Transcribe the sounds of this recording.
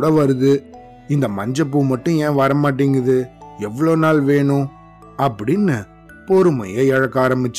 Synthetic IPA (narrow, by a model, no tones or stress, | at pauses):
ɽɐʋɐɾɯðɯ | ɪnd̪ɐmɐɲd͡ʒɐp̬ːumɐʈːʊ̃ẽːʋɐɾɐmaːʈ̬ːiːŋɡɐðɯɛʋːɐɭoːnaːlʋeːɳʊ̃ | ɐpːɐɽɪnːɯ | pɔɾɯmɐ̰jeːɛɻɐkːaːɾɐmbɪt͡ʃː